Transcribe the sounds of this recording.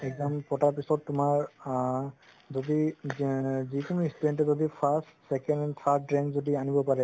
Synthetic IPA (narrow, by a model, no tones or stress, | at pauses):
ɛɡzampɔtaɹpisɔtːʊmaɹ | zodi | zikunuistudɛntɛzodipʰastsɛkɛnnt̪ʰadɹɛnzodianibɔpaɹɛ